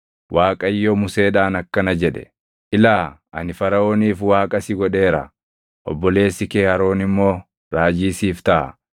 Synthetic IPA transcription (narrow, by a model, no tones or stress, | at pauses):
wʔaːkʼɐjːɔmʊse̞ːᶑaːnɐkːɐnɐd͡ʒɛᶑɛ̥̰ | ʔɪlaː | ʔɐ̰nɪfɐɾɐo̞ːniːfwaːkʼɐsɪɡɔᶑe̞ːɾɐ̰ | ʔɔ̰bːɔle̞ːsːɪkeːhɐɾo̞ːnɪmːo̞ː | ɾaːd͡ʒiːsiːft̪ɐʔɐ̰